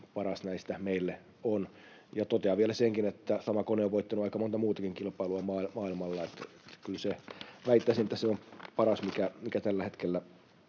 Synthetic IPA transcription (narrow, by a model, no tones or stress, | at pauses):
pɑrɑsnæist̪æmeilːe | on | jɑt̪ot̪eɑʋielæseŋkinet̪ːæsɑmɑkoneoʋoit̪ːɑnuɑikɑmont̪ɑmuːt̪ɑkiŋkilpɑiluɑmɑːilmɑːilmɑlːɑet̪et̪kylseʋæit̪ːæsinet̪ːæseompɑrɑsmikæmikæt̪ælːæet̪kelːæ